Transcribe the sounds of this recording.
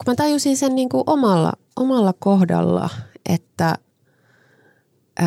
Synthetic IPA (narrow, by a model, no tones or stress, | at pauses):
kumæt̪ɑjusinsenniːŋkuʔomɑlːɑ̰ʔomɑlːɑkohdɑ̰lːɑ̰ʔet̪ːæ